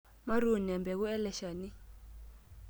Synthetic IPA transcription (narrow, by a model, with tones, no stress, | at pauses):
ma˦ɾu˨ni˨ɛ˨mbɛ˨k̬u˦ɛ˦lɛ˦ʃa˨ni˦